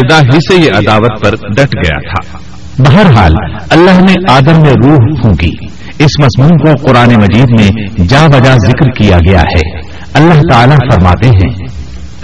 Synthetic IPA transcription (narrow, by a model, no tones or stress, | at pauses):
ɪd̪aːɦisejeʔɐd̪aːʋət̪̚pɐɾɖɐʈʰɡɐja̰t̪ʰa̰ː | bɐɦəɾɦa̰ːl | ɐlːaːɦneʔaːd̪əmːẽɾuːɦpʰũːɡḭ | ɪsmɐzmuːmkoqʊɾaːnemɐd͡ʒiːd̪mẽd͡ʒaːʋɐd͡ʒazɪkɾkijaɡɐja̰hɛ̰ː | ɐlːaɦt̪aːlafɐɾma̰ːt̪eɦɛ̰̃ː